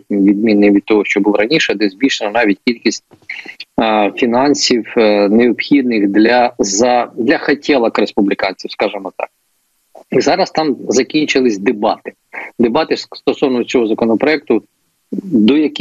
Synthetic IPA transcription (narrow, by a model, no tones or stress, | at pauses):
ʋʲid̪mʲinːɪʋʲid̪̚t̪ɔɦɔʃt͡ʃɔbulˠɔɾɐnʲiʃɛd̪ɛzʲbʲiʃenɐnɑʋʲit̚ʲkʲilʲkʲisʲt̚ʲ | fʲinɑnʲsʲiwneɔpxʲid̪nɪxd̪lʲɐzɐd̪lʲɐxɐtʲʰɛlˠɐkɾespublʲɪkɑnʲt͡sʲiwskɑʒɪmɔt̪ɑ̰k̚ | zɑɾɐst̪ɑmzɐkʲinʲt͡ʃɪlˠɪsʲd̪ebɑt̪ɪ̥ | d̪ebɑt̪ɪst̪ɔsɔwnɔt͡sʲɔɦɔzɐkɔnɔpɾɔɛk̚t̪ʊ | d̪ɔjɐk